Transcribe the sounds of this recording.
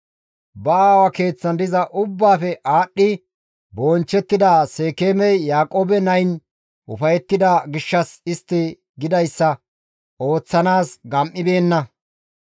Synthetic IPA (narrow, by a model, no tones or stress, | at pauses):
bɐaːwɐke̞ːt͡sːɐnd̪ɪzɐʔʊbːaːfɛʔaːɗːɪ | boːnt͡ʃːɛt̪ːɪd̪ase̞ːkeːmɛjːaːkʼoːbɛnɐjn | ʔʊfɐjɛt̪ːɪd̪ɐɡɪʃːɐsɪst̪ːɪ | ɡɪd̪ɐjsːɐ | o̞ːt͡sːɐnaːsɡɐmʔːɪbe̞ːnːɐ